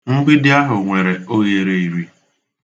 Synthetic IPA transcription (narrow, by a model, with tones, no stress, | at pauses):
ŋ̩˦ɡ͡bɪ˦dɪ˦a˦ɦʊ˨ŋʷe˨ɾe˨o˦je˨ɾe˦i˨ɾi˦